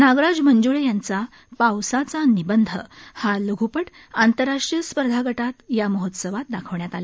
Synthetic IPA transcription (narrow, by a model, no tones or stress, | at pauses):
naɡɾad͡zmənd͡zuɭejant͡sa | pawsat͡sanibənd̪ʱəhaləɡʱupəʈ | ant̪əɾːaʂʈɾijəspəɾd̪ʱaɡəʈat̪jaməɦot̪səʋat̪̚d̪akʰəʋɳjat̪ale